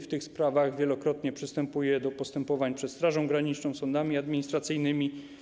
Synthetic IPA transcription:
ft̪ɘxspɾavaɣvʲjɛlɔkɾɔt̪ɲɛpʂɘst̪ɛmpujɛd̪ɔpɔst̪ɛmpɔvaɲpʂɛt̪st̪ɾaʐɔ̃w̃ɡɾaɲit͡ʂnɔ̃w̃sɔnd̪amʲiad̪mʲiɲist̪ɾat̪sɘjnɘmʲi

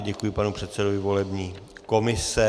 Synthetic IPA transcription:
ɟɛkujɪpanupr̝̥ɛt̪sɛdovɪvo̞lɛbɲiːko̞mɪsɛ

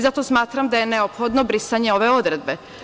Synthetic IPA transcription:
zat̪o̞smaːt̪ɾamd̪aje̞neopxo̞d̪nobɾisaɲe̞o̞ʋe̞o̞d̪ɾe̞d̪̚be̞

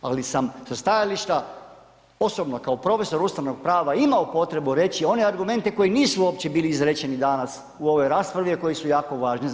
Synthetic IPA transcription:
alisamsast̪ajaliʃt̪a | o̞sobnokaopɾo̞fe̞so̞ɾust̪aʋno̞ɡ̚pɾaːʋaimaopo̞t̪ɾe̞buɾe̞t͡ɕio̞ne̞aɾɡume̞nt̪e̞ko̞jiniːsuoːpt͡ɕe̞biːliizɾet͡ɕenid̪anas | uo̞ʋo̞jɾaːspɾaʋiako̞jisujaːko̞ʋaːʒni

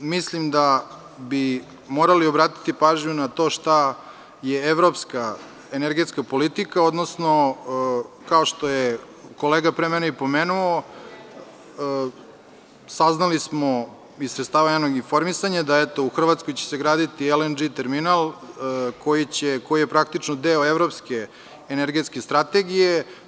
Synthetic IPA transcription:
mislimd̪a | bi | mo̞ːɾalio̞bɾaːt̪i̥t̪ipaːʒɲunat̪o̞ʃt̪a | jeeʋɾo̞pska | eneɾɡet̪skapo̞lit̪ikaod̪no̞sno̞ | kao̞ʂt̪o̞je | ko̞leːɡapɾemɛneipo̞meːnuo | saznalismo | isɾet̪st̪aːʋaɲanoɡinfo̞ɾmisaɲad̪aɛt̪o̞uxr̩ʋat̪skojt͡ɕe̥seɡɾaːd̪it̪ielend͡ʒit̪eɾminalˠ | ko̞jit͡ɕeko̞jijepɾakt̪it͡ʃnod̪eoeʋɾo̞pske̞ː | neɾɡet̪ske̞st̪ɾat̪eɡije

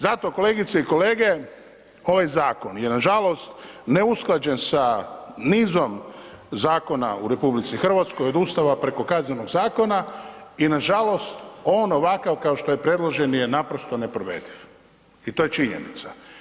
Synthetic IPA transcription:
zat̪o̞ko̞le̞ɡit̪seiko̞le̞ːɡe̞ | o̞ʋajzaːko̞nje̞naʒalˠo̞st̪neusklˠad͡ʑe̞nsaniːzo̞mzaːko̞na̰uɾe̞publit̪sixr̩ʋat̪skojo̞d̪ust̪aʋapɾe̞ko̞kazneno̞ɡzaːko̞na | inaʒalo̞st̪o̞ːno̞ʋakaʋkao̞ʃt̪ojepɾe̞d̪lˠoʒe̞nje̞napɾo̞st̪o̞ne̞pɾoʋe̞̰d̪iʋ | it̪o̞jet͡ʃiɲḛnḭt̪sa

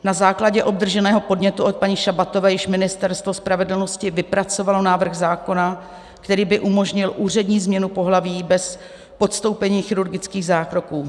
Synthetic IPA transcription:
nazaːklaɟɛʔo̞b̚d̪r̩ʒɛnɛːɦo̞po̞dɲɛt̪uʔot̪̚paɲɪʃabat̪o̞vɛːjɪʃmɪnɪst̪ɛɾst̪vo̞spɾavɛdl̩no̞scɪvɪpɾat͡so̞valo̞naːvr̩ɣzaːko̞na | kt̪ɛɾiːbɪʔumo̞ʒɲɪlʔuːr̝ɛdɲiːzmɲɛnupo̞ɦlaviːbɛs | po̞t̪st̪o̞wpɛɲiːxɪɾuɾɡɪt͡skiːɣzaːkɾo̞kuː

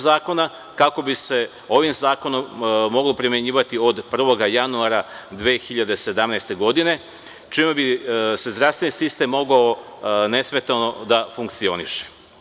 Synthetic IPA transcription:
zaːko̞na | kako̞bise̞ | o̞ʋimzaːko̞nomːo̞ɡlˠo̞pɾime̞ɲiːʋat̪io̞d̪pr̩ʋo̞ɡajanuaɾad̪ʋeːxiʎad̪ese̞d̪amnɛjst̪e̞ɡo̞d̪ine̞ | t͡ʃimebise̞zd̪ɾafsʋenisist̪e̞mːo̞ɡao | ne̞sme̞t̪ano̞d̪afuŋkt̪sio̞̰nḭʃe̥

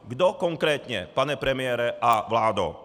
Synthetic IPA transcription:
ɡd̪ɔkɔŋkɾɛːt̪ɲɛ̰paɲɛpɾɛmɪɛːɾɛʔaʋlaːd̪ɔ̰

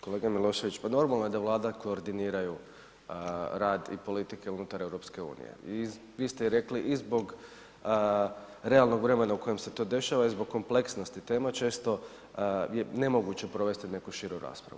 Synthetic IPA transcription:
ko̞le̞ːɡamilˠo̞ːʃe̞ʋit͡ɕpano̞ɾmalˠnoje̞d̪aʋlˠaːd̪ako̞ːɾd̪iniːɾaju | ɾaːd̪ḭpo̞lit̪ike̞unut̪aɾe̞ʋɾo̞pske̞ṵːnḭjḛi | ʋiːst̪eiɾe̞kliʔizbo̞ɡ | ɾe̞alˠno̞ɡʋɾe̞me̞nauko̞je̞mse̞t̪o̞ːd̪e̞ʃaʋaizbo̞ɡk̚kːo̞mple̞ksno̞st̪it̪e̞ːmat͡ʃe̞ːst̪o̞ | je̞ne̞mo̞ɡut͡ɕe̞pɾo̞ʋe̞st̪ine̞kuʃiːɾuɾa̰ːspɾa̰ṵ

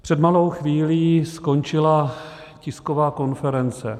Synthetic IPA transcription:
pr̝̥ɛdmalo̞wxviːliːsko̞nt͡ʃɪla | cɪskovaːko̞nfɛɾɛnt͡sɛ

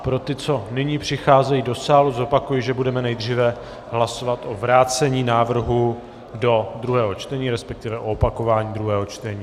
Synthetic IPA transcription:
pɾo̞t̪ɪt͡so̞nɪɲiːpr̝̥ɪxaːzɛjido̞saːluzo̞pakujɪʒɛbudɛmɛnɛjd̪r̝iːvɛ | ɦlaso̞vat̪ʔo̞vɾaːt͡sɛɲiːnaːvr̩ɦu | do̞d̪ɾuɦɛːɦo̞t͡ʃt̪ɛɲiːɾɛspɛk̚t̪ɪvɛʔo̞opako̞vaːɲiːd̪ɾuɦɛːɦo̞t͡ʃt̪ɛɲiː

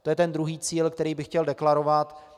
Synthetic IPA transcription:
t̪ojɛt̪ɛnd̪ɾuɦiːt͡siːlkt̪ɛɾiːbɪxcɛldɛklaɾovat̪

